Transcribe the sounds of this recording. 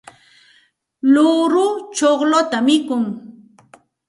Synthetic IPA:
lʊɾʊt͡ʃoχlot̪amɪkʊŋ

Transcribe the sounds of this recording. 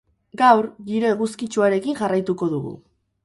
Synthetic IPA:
ɡawɾɣiɾe̞ɣuskit͡ʃuaɾe̞kiŋʝarajt̪uko̞ðuɣṵ

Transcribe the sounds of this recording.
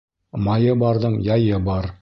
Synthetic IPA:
mɑjɤbɑɾðɤɴjɑjɤbɑɾ

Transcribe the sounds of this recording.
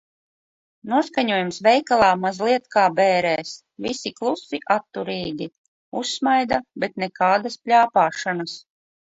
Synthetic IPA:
nuɔskaɲuɔjumsvɛjkalˠaːmazlˠiɛt̪kaːbɛːɾɛːs | visiklˠusiʔat̪ːuɾiːɡʲi | usːmajd̪abɛt̪nɛkaːd̪asplʲaːpaːʃanas

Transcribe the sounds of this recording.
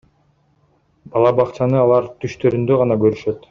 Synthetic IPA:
bɑlˠɑbɑqt͡ʃɑnɯɑlˠɑɾt̪ʰyʃt̪ø̞ɾynd̪øʁɑnɑɡø̞ɾyʃø̞t̪

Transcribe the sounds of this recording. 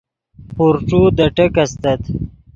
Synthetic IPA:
puɾʈ͡ʂud̪əʈəkast̪ɐt̪

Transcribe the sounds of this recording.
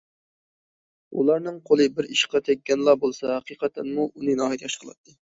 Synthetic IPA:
ṵlˠɑɾnɨŋqʰolˠɨbɪɾiʃqʰɑt̪ʰɛkʲːɛnlˠɑbolˠsɑɦæqʰiqʰɑt̪ʰɛnmuʔunɨnɑːɦit̪ʲjɑʃqʰəlˠɑ̰t̪ʰːɨ

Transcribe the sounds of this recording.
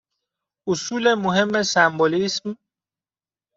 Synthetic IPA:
ʊsuːlemoɦemːesæmbolism

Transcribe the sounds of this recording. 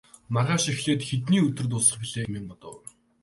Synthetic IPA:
marʁaːʃixɮeːt̪xet̪̬niːɵt̪ɵ̆rt̪̬ʊːsə̆χpiɮeːmeːmpɔt̪ɞ̰̆w

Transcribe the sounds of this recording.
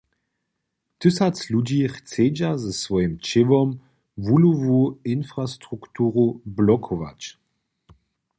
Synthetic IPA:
t̪ɨsat͡slud͡ʑiχt͡seːd͡ʑazɛsvɔjəmt͡ʃevɔm | vuluvuinfʁast̪ʁukt̪uːʁublɔkʰɔva̰t͡ɕ

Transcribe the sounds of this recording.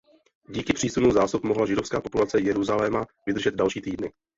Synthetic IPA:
ɟiːkɪpr̥iːsunuzaːsupmoɦlaʒɪdo̞fskaːpo̞pulat͡sɛjɛɾuzalɛmavɪd̪r̩ʒɛd̪̚dalʃiːt̪iːdnɪ

